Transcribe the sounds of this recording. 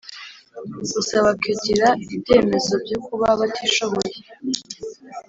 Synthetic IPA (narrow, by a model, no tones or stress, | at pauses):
usaβakiɟiɾaibje̞ːme̞zo̞b̚ɟukuβaβatʰiʃo̞βo̞je